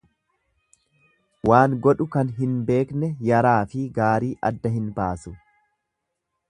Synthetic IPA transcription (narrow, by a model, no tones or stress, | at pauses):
waːŋɡɔᶑʊkɐnɦɪnbe̞ːknɛjɐɾaːfɪɡaːɾiːʔɐ̰d̪ːɐɦɪnbaːsʊ